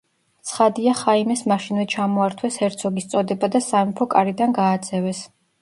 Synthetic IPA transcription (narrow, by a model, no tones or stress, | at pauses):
t̪sʰχad̪iaχaimɛsmaʃinvɛt͡ʃʰamɔaɾt̪ʰwɛshɛɾt̪sʰɔɡist̪sʼɔd̪ɛbad̪asamipʰɔkʼaɾid̪anɡaːd̪zsʰʼɛvɛs